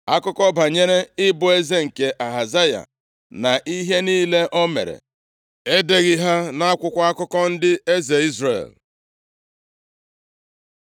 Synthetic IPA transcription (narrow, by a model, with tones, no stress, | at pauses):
a˦kʊ˦kɔ˦ba˨ɲe˦ɾe˦ɪ˦bʊ˨e˦ze˦ŋ̩˨ke˨ʔa˨ɦa˨za˦ja̰˨ | na˨ʔi˦ɦe˦niː˦le˦ʔɔ˦mḛ˨ɾḛ˨ | e˦de˨ɣɪ˦ɦa˦na˦a˦kʷʊ˦kʷa˦a˦kʊ˦kɔ˦n̩˦dɪ˦e˦ze˨i˦zrḛ˨l